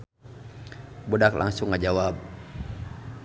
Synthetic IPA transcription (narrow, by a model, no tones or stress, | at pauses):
budakla̰ŋsʊŋːad͡ʒawab̚